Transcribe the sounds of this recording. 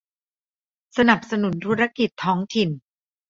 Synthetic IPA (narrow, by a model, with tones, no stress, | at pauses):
sa˧na˨˩p̚sa˧nu˨˩˦nt̪ʰu˦˥ɾa˦˧˥ki˨˩t̪ʰːɔː˦˥ŋt̪ʰi˨˩n